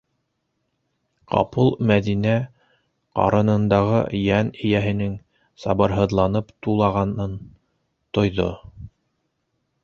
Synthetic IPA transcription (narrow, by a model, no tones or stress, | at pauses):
qɑ̰pɤlˠmæðinæ | qɑ̰ɾɤ̆nɤ̆nd̪ɑʁɤ̰jænɘ̆jæɦɘ̆nɘŋ | sɑβɤ̆ɾɦɤ̆ðlˠɑnɤpt̪ulˠɑʁɑnɤn | t̪ŏjðo̰